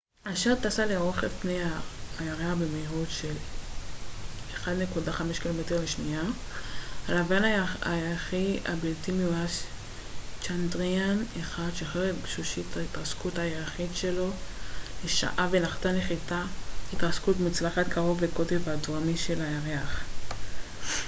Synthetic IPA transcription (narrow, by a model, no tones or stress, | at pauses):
aʃeʁt̪asaleoʁeχefnejaːjaʁeaχbemejʁudʃel | eχad̪nekudaχameʃkilo̞meteʁleʃnia | alavaanaaeʁaχia̰biltimeuas | t͡ʃandʁianeχadʃeχeʁebʃuʃit̪ʰaitaskuthaeʁaχitʃe̞lo̞leʃa̰ʔavenaχtaneχitahitaskutmut͡slaχat̪kaʁo̞veko̞tevadoamiʃe̞lajaʁeaχ